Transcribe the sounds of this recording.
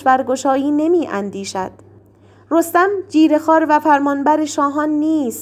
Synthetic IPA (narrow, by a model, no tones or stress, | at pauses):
bæɾɡo̞ʃɒːjiːne̞miːʔænd̪iːʃæd̪̥ | ɾost̪æmd͡ʒiːɾe̞xɒːɾvæfæɾmɒːnbæɾeʃɒːɦɒːnːiːs